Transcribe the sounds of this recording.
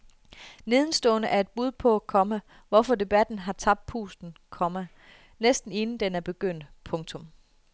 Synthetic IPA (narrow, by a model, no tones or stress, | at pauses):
ne̝ð̞ˠən̩sd̥ɔ̰̽ːnəʔæɐe̝d̥̚b̥uð̞ˠpʰɒ̽ækʰɒ̽mə | ʋɒfɒ̽d̥e̝b̥æd̥n̩ɦɑ̈t͡sʰɑ̈b̥̚d̥̚pʰṵːsd̥n̩kʰɒ̽mə | nesd̥n̩e̝nn̩d̥enæɐb̥e̝ɡ̥øn̰d̥pʰɔ̽ŋt͡sʰɔ̽m